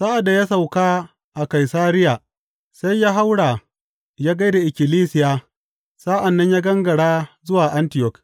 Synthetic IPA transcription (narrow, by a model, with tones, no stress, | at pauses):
saː˦ʔa˨da˨jaː˦sa˨wkaː˦ | ʔa˨ka˨jsaː˦ɾɪ˦ja˨ | sa˦jːaː˦ɦa˦wɽaː˨ | jaː˦ɡa˦jda˨ʔɪ˨kʲɪ˨liː˦sɪ˨jaː˦ | saː˦ʔa˨nːɐ˦ɲjaː˦ɡɐ˦ŋɡɐ˨ɽaː˦zʊ˦waː˨ʔa˦ntɪ˨jɔ˦k